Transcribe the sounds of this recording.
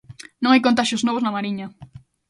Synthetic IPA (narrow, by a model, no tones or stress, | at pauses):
nõŋajkõnt̪̬aʃjoznoβ̞oznamaɾiɲɐ